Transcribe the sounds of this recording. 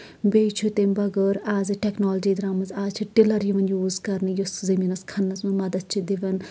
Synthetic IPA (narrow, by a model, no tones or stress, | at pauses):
beːt͡ʃʰut̪embɐɡəɾaːziʈeknoːlɐd͡ʒiːd̪ɾaːmɐnzaːzt͡ʃʰiʈilɐɾjiʋɐnjuːzkɐɾnɨjuszɐminɐskʰɐnːɐzmɐnmɐd̪ɐt͡ʃʰid̪iʋɐn